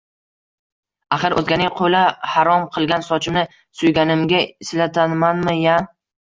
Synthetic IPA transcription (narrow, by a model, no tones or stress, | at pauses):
aχɨɾʔɵ̰zɡʲanɪŋqʰolahaɾɒmqʰɨlˠɡʲansɒt͡ʃʰɪmnɪ | sʊjɡʲanɪmɡʲaɪslat̪ʰanmanmɪja